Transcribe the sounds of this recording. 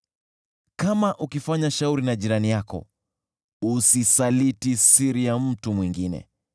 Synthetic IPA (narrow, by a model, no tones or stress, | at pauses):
kamaʔukifaɲaʃauɾinaʄiɾanijakɔ̰ | usisalitisiɾijam̩tumwiŋɡinɛ̰